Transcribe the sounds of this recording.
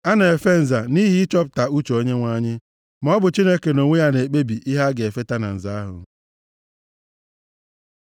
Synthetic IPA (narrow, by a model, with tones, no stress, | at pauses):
a˦na˨e˨fe˦n̩˨za˨ni˦ɦi˦ɪ˦t͡ʃɔ˦p̚ta˨u˦t͡ʃo˨o˦ɲe˦ŋʷa˦˨ɲɪ˦ | m˦ɔ˦bʊ˨t͡ʃi˦ne˦ke˨no˨ŋʷe˦ja˦ne˨k͡pe˦bi˨ʔi˦ɦa˦ɡe˨fe˦ta˦na̰˨n̩˨za˦a˦ɦʊ̰˨